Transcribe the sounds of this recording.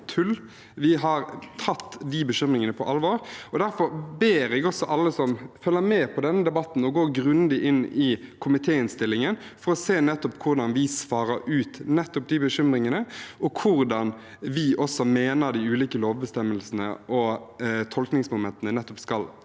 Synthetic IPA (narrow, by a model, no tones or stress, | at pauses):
t̪ʰʉl | ʋɪɦɑɾt̪ʰɑt̪ːd̪ɪbəɕʏmʁɪŋənəpʰɔʔɑlʋoːɾɔd̪æɾfɔɾbeːɾɛɡɔsɔʔɑlːəsɔmfœlːəmɛːpʰɔd̪ɛnːəd̪ɛbɑt̪ːn̩ɔɡoːɾɡɾʉnd̪ɪʔɪnːɪkʰʊmɪt̪ʰeːɪnst̪ɪlːɪŋən | fɔɾɔseːnɛt̪ːɔpkʰʊɾd̪ɑnʋɪsʋɑːɾəɾʉːt̪nɛt̪ːɔp̚d̪ɪbəʃʏmɾɪŋənəɔkʰʊɾd̪ɑn | ʋɪʔɔsɔmeːnəɾd̪ɪʉːliːkəloːʋbəst̪ɛmːəlsənə̰ʔɔt̪ʰɔlknɪŋsmʊmɛnt̪ːənənɛt̪ːɔpskɑl